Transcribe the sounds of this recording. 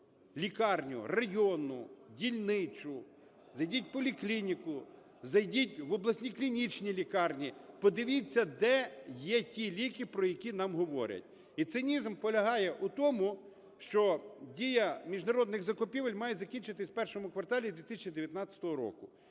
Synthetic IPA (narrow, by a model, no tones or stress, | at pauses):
lʲikɑrnʲʊ̰rɐjɔnʊdʲilʲnɪt͡ʃʊ | zɐjdʲitʲpɔlʲiklʲinʲikʊ | zɐjdʲitʲʋɔblˠɐsʲnʲiklʲinʲit͡ʃnʲilʲikɑrnʲipɔd̪ɪʋʲit͡sʲːɐd̪ɛjɛtʲilʲikɪpɾɔjɐkʲinɑmɦɔʋɔ̰ɾʲɐ̰tʲ | it̪sɪnʲizmpɔlʲɐɦɑjɛʔut̪ɔmʊ | ʃt͡ʃɔdʲijɐmʲiʒnɐɾɔd̪nɪɣzɐkʊpʲiʋɐlʲmɑjɛzɐkʲinʲt͡ʃɪt̪ɪsʲwpɛrʃɔmʊkʋɐrt̪ɑlʲid̪ʲʋʲit̪ɪsʲt͡ʃʲid̪eʋʲjɐt̪nɑt͡sʲɐ̥t̪ɔɦɔɾɔ̰kʊ